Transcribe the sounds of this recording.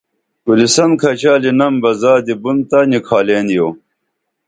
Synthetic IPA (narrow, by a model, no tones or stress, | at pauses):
kulisɐnkʰɐt͡ɕaːlinɐmbɐzaːd̪ibunt̪ɐnikʰaːleːnjoː